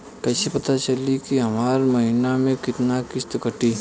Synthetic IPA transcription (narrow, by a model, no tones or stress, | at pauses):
kɛːsepɐt̪at͡ʃɐlikiɦɐmaːɾmɐɦɪnamẽkɪt̪nakɪst̪kɐʈiː